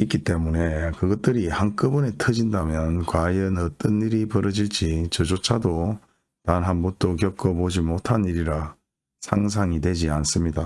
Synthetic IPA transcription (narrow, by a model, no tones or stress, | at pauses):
ik͈it͈e̞mune̞kɯɡʌt̚t͈ɯɾihank͈ɯbunetʰɯd͡ʑindamjʌnkwajʌnʌt͈ʌniɾipʌɾʌd͡ʑiɭt͡ɕ͈it͡ɕʌd͡ʑot͡ɕʰado | taɯnɦanbun̚t͈okjʌk͈ʌbod͡ʑimotʰaniɾiɾa | sʰaŋs̬ʰaŋidwe̞d͡ʑians͈ɯmɲida